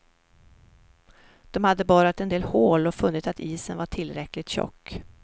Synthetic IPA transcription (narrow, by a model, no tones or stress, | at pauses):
d̪̥ɔmhad̪ːəbɑːɾat̪ɛnd̪eːlhoːlɔfɵnːɪt̪at̪ʰiːsənvaʈʰɪlːɾɛklɪt̪ɕɔ̰kː